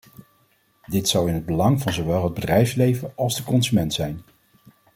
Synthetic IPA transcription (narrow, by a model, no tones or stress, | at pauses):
dɪtsɑwɪnɦəd̚bəlɑŋvɑnzowʋɛlˠɦəd̚bədrɛjfslejvəʔɑlˠzdəkɔnzymɛntsɛjn